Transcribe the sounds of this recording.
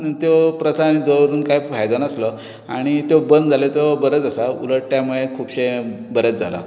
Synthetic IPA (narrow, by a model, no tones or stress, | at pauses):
nt̪jopɾət̪ʰanid̪oɾuːnkajfajd͡zənəslɔ | aɽ̃it̪jobənd͡zʱalet̪obəɾət͡səsaṵləʈʈjamuɭekʰuːbɕebəɾət͡sd͡zʱa̰la̰